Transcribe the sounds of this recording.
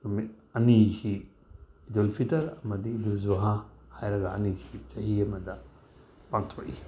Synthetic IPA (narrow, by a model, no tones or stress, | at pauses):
mi | ɐnisiː | dolpʰitɐɾɐmɐdiduzoɦahajɾɐɡɐɐnisi̥t͡ʃɐhiɐmɐdɐ | paŋtʰoʔi